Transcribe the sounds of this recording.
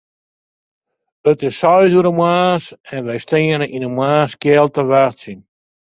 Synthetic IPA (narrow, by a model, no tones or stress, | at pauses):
ətɪsːɔjduəɾəmwaːsɛnʋɛjstenəʔinəmwaːskjɛlˠtəʋartsin